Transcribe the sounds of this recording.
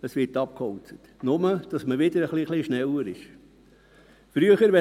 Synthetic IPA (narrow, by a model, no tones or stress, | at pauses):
əsʋɪtɑp̚khɔwt͡sətnʊməd̥ɑsməʋɪd̥̪əɾəχliχliʃnɛwəɾɪʃ | fɾyəχəɾʋɛ